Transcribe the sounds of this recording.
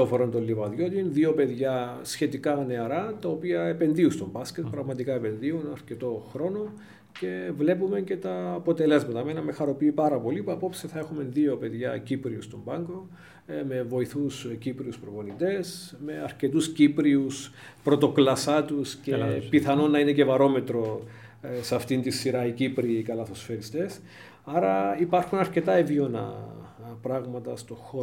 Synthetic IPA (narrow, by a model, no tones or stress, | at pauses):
ofoɾont̪olːivɐðjo̞t̪inðio̞pe̞ðʝɐsçe̞t̪ikɐne̞ɐɾɐt̪ɐopiɐepe̞nðiust̪o̞mbɐscet̪̚pɾɐɣmɐt̪ikɐe̞pe̞nðiunɐɾce̞t̪o̞xɾo̞no̞ | ce̞vle̞pume̞nce̞t̪ɐːpo̞t̪e̞le̞zmɐt̪ɐmenɐmexɐɾo̞piːpɐɾɐpo̞lipuɐpo̞psiθɐe̞xume̞nðio̞pe̞ðʝɐ̰cipɾiust̪o̞mbɐŋɡo̞ | me̞vo̞iθuscipɾiuspɾopo̞nit̪e̞sme̞ɐɾce̞t̪uscipɾius | pɾo̞t̪o̞klɐsɐt̪uscepiθɐnonɐine̞ce̞vɐɾo̞me̞t̪ɾo̞ | seɐft̪int̪isːiɾɐicipɾikɐlɐθo̞sfeɾist̪e̞s | ɐɾɐipɐɾxunɐɾce̞t̪ɐevionɐ̰pɾɐɣmɐt̪ɐst̪o̞xo